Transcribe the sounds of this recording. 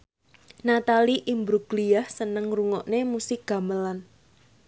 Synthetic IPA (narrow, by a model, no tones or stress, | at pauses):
nat̪aliʔimbɾuɡ̥liahsənəŋruŋɔʔnemusɪk̚ɡ̥a̤məlan